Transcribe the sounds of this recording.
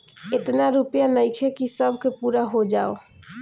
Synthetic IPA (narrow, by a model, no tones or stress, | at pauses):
et̪naɾupjanəjkʰekisəbʱkepuɾaɦod͡ʒao